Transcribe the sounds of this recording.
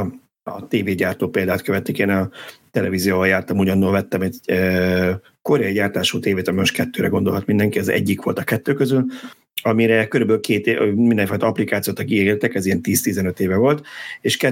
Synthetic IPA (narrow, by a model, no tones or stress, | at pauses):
t̪eːveːɟaːrt̪oːpeːld̪aːt̪køvɛt̪ːikeːnɒt̪ɛlɛvizijoːvɒjaːrt̪ɒmuɟɒnːolvɛt̪ːɛmɛtø | ko̞ɾɛɒiɟaːrt̪aːʃuːt̪eːveːt̪ɒmimoʃt̪kɛt̪ːøːɾɛɡo̞nd̪o̞lɦɒt̪mind̪ɛŋkiɒzɛ̰ɟːikʋo̞lt̪ɒkɛt̪ːøːkøzyl | ɒmiɾɛkø̞ɾybøːlkʰeːt̪mind̪ɛɱfɔɒjt̪ɒɒplikaːt̪sijoːt̪ɒkieɾt̪ɛkɛziɛnt̪iːst̪izɛnø̞t̪eːvɛvo̞lt̪eːʃkɛ